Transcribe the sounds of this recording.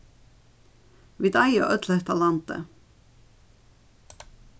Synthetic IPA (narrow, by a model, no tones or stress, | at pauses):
ʋid̪ɑɪo̰ʔœt̪ʰləht̪ʰɑlɑnt̪ə̰